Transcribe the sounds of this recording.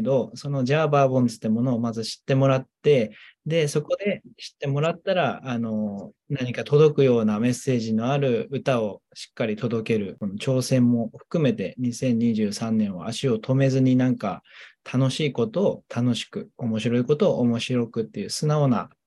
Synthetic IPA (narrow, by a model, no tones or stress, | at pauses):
d̪o̞so̞noʑaːbaːbõ̞nt͡sɨ̥t̪ːemo̞no̞ːmazɨɕi̥t̪ːe̞mo̞ɾat̪ːe̞d̪e̞so̞ko̞d̪e̞ɕi̥t̪ːe̞mo̞ɾat̪ːaɾaːno̞ | naɲ̟ikat̪o̞d̪o̞kɯ̟jo̞ːname̞sːe̞ːʑino̞aɾɯ̟ɯt̪ao̞ɕi̥kːaɾʲit̪o̞d̪o̞ke̞ɾɯ̟ko̞no̞t͡ɕo̞ːsẽ̞mːo̞ɸɯ̟̥kɯ̟me̞t̪e̞ɲ̟isẽ̞ɲ̟ːiʑɨːsãnːẽ̞ɰ̃βa̰aɕio̞t̪ʰo̞me̞zɨɲ̟inãŋka̰t̪ʰano̞ɕiːko̞t̪o̞ːt̪ʰano̞ɕi̥kɯ̟omo̞ɕiɾo̞iko̞t̪o̞ːʔomo̞ɕiɾo̞kɯ̟t̪ːe̞jɯ̟ːsɨnao̞na̰